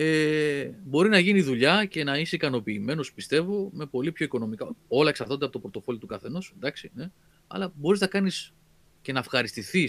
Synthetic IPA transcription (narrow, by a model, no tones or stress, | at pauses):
e | bo̞ɾinɐʝiniðuʎɐce̞nɐiseikɐno̞piːme̞no̞spist̪e̞vo̞me̞po̞lipço̞iko̞no̞mikɐo̞lɐeksɐɾtod̪eɐpot̪opɾo̞t̪o̞fo̞lot̪ukɐθe̞no̞send̪ɐksine̞ | ɐ̰lɐbo̞ɾiznɐkɐnis | ce̞nɐːfxɐɾist̪iθis